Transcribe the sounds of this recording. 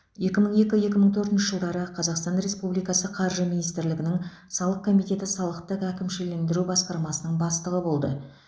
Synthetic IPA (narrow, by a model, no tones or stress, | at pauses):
je̞kʲɪməɴe̞kʲɪje̞kʲɪməɴt̪ʰɵɾt̪ɪnʃɪʒəlˠd̪ɑɾəqʰɑzɑqst̪ɑnɾe̞spublijkɑsəqʰɑɾʒəminijst̪ɪɾlɪɡʲɪnɪŋ | sɑlˠəq̚kʰo̞mijt̪e̞t̪ɪsɑlˠəqt̪əqækʲɪmʃɪle̞nd̪ɪɾubɑsqɑɾmɑsənəɴbɑst̪əʁəbo̞lˠd̪ə̰